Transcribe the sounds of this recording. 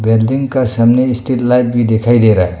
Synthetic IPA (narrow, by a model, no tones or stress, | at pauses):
beldiŋkasɐmnistet̚lajp̚ʰbidekʰajɾeɾaj